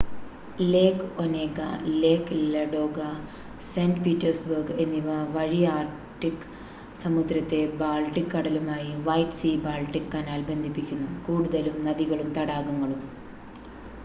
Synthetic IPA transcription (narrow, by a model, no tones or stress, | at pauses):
le̞ːkoneːkɐ̰le̞ːkːlɐɖo̞ːɡɐ | seːnɖpiːtːɐrsbɐrɡe̞nːiʋɐʋɐɻijaːr | ʈːikː | sɐmud̪ɾɐt̪ːe̞baːlʈːikːɐɽɐlumaːjiʋɐjʈsibaːlʈːikːkɐnaːlbe̞nd̪ʱipːikʲːunːukuːɽuðɐlumnɐðiɣɐɭumt̪ɐɽaːɣɐŋːɐɭum